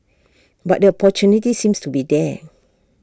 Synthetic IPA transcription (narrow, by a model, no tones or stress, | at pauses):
ba̰ʔ̚dəɔpɔt͡ʃunitisĩmstubidɛ